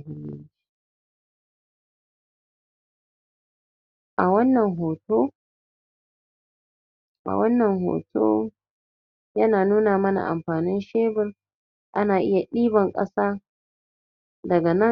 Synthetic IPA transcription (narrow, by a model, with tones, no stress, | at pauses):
ɦɪ˦nːɪ̰˦nd͡ʒi̥˦ | ʔa˨wɐ˦nːɐ˨ŋɦoː˨toː˦ | ʔa̰˨wɐ˦nːɐ˨ŋɦo̰ː˨tʰo̰ː˦ | jɐ˦naː˨nuː˦naː˨mɐ˦na̰˨ʔa̰˨mɸaː˨nɪ˦nʃeː˦bɪ˦r | ʔa˦naː˨ʔɪ˦ja˨ɗiː˦bɐ˨ŋkʼɐ̰˦saː˦ | dɐ˨ɡa˨nɐ˦˨